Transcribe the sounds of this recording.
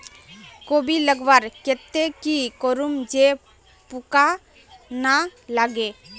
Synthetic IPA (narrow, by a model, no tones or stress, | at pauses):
kobʱiləɡʋaɾket̪ekikoɾumd͡ʒe | puka | nalaɡe